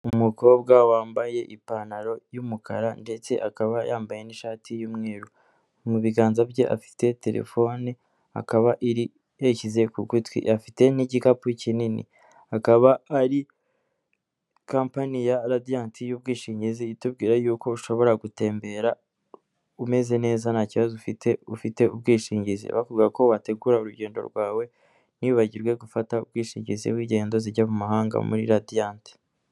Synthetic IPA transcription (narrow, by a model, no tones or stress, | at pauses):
umuko̞ːbɡawaːmbaje̞ʔipanaɾo̞jumukʰa̰ɾande̞t͡se̞̰ʔakaβajaːmbaje̞niʃaːtʰijumŋeːɾu | muβiɡaːnzabjeʔa̰fi̥te̞te̞ɾʔḛfo̞ni | a̰kaβaʔiɾi | jecize̞kuɡutwḭʔafi̥te̞niɟikapucininḭ | akaβaːɾi | kaːmpanijaɾadijaːntʰijub̚ɡiːʃiːɲɟiziːtubɡiːɾajuːko̞uʃo̞βo̞ɾaɡute̞ːmbe̞ɾa | ume̞ze̞ne̞ːzanaciβazufitʰeufite̞ub̚ɡiːʃiːɲɟizḭβakuɡako̞βate̞ɡuɾauɾuɟe̞ːndo̞̰ɾɡwaːwe̞ | niuβaɟiɾɡwe̞ɡufataṵbɡiːʃiːɲɟizḭβwiːɟe̞ːndo̞ziɟamumaɦaːŋɡa̰mṵɾḭɾadiaːnti̥